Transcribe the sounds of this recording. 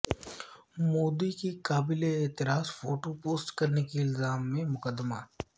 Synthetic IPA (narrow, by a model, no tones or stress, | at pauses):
moːd̪ikikaːbɪleeːt̪ɪɾaːzfoːʈopoːsʈkɐɾnekiɪlzaːmːẽmʊkəd̪ːmaː